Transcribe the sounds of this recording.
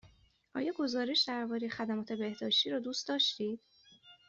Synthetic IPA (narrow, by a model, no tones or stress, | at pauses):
ʔɒ̰ːjɒːɡo̞zɒːɾe̞ʃd̪æɾbɒːɾe̞jexæd̪æmɒːt̪ʰe̞be̞hd̪ɒːʃt̪iːɾɒːd̪uːst̪d̪ɒːʃt̪iːd̪̥